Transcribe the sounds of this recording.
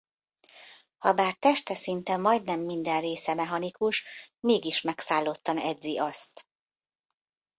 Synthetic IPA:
hɒbaːrt̪ɛʃt̪ɛsint̪ɛmɒjd̪nɛmːind̪ɛnreːsɛmɛɦɒnikuʃmeːɡiʃmɛksaːlːot̪ːɒnɛd̪ziɒst̪

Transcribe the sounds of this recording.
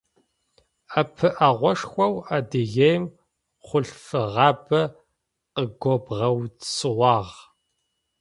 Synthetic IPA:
apʰɨʔaʁʷɔʂxʷɐwaːdɨɣejm | χʷʊɬfɨʁɑːbɐ | qəɡʷɔbʁɐwsɨwɑːʁ

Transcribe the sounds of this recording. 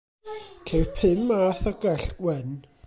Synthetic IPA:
kʰepʰɪmaθaɡ̥ɛɬwɛn

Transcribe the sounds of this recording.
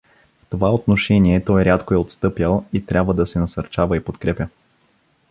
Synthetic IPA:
ft̪ovaot̪noʃɛniɛt̪ɔjɾʲat̪koɛot̪st̪ɤpjəlˠit̪ɾʲʔabvəd̪ɐsɛnɐsɐɾt͡ʃavəipot̪kɾɛpʲə

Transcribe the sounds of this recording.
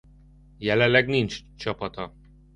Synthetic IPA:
jɛlɛnlɛɡnint͡ʃt͡ʃɒpɒt̪ɒ

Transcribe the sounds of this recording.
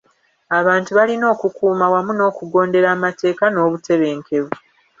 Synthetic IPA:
aβaːntuβalino̞ːkukuːmawamuno̞ːkuɡo̞ːnde̞ɾaːmate̞ːkano̞ːβute̞βe̞ːŋkʰe̞βu

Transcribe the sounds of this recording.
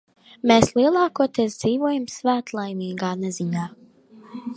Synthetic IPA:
meːslˠiɛlˠɑːkuɔt̪ɛzd̪ziːvuɔjamsvæːt̪lˠajmiːɡaːnɛziɲaː

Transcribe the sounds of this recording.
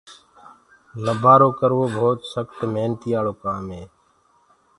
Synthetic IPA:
ləbʱaːɾoːkəɾʋoːbʱoːt̪səkt̪meːnt̪iːaːɭoːkaːmɦeː

